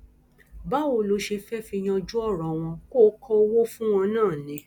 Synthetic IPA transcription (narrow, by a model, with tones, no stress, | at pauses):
ba˦o˧˨lo˨˦ʃe˧fɛ˦fi˧j̃ã˧d͡ʒu˦ɔ˦˨ɾɔ̃˨w̃ɔ̃˧ko˦kʰɔ˦o˧wo˦fũ˦w̃ɔ̃˧nãː˦˨nĩ˨˦